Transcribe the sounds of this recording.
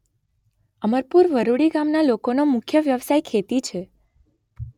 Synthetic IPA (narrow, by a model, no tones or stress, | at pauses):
əməɾpuɾʋəɾuɽiɡamnalokonomʊkʰjəʋjəʋsajkʰet̪it͡ʃʰe